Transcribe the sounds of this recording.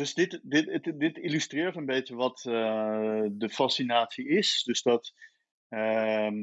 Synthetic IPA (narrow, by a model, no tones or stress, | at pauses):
døsdɪtdɪtətdɪtilystrɪːɹtənbejtəʋɔt | dəfasinaːtsiɪsdɵsdɔt | ə